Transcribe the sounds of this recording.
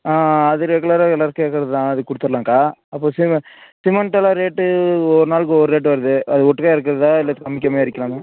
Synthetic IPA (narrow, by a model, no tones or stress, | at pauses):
aːɐðɯɾɛɡɯɭɐɾaɛlaɾkeːkːɪɾɐðɯt̪ãːɐðɯkʊɽɯt̪ːɯɾlãːŋkaːɐpːoːsɪsɪmɐɳʈɐlaːɾeːʈːɯɔɾɯnaːlkːɯɔɾɯɾeːʈ̬ːɯʋɐɾɐðɯɐðɯɔʈːɯkːaːɪɾɯkːɐɾɐðɯt̪ãːɪlːɐt̪ːɯkːɐmɪkːɐmaːɪɾɯkʲːɐlãːŋaː